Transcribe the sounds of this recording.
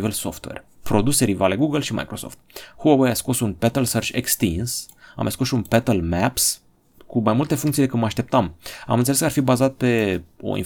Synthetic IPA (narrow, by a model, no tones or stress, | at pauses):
velso̞̰ft̪wḛr | pɾo̞d̪use̞ɾivaleɡuɡəlʃima̰jkɾo̞so̞̰ft̪̚huawejasko̞sunpet̪əlsərt͡ʃḛkst̪ins | a̰meskosʃunpet̪əlmæps | kumajmult̪e̞fuŋkt̪silekɨt̪maʃt̪e̞p̚t̪ama̰mɨnt̪seeskarfibazat̪̚pe̞o̞̰ḭn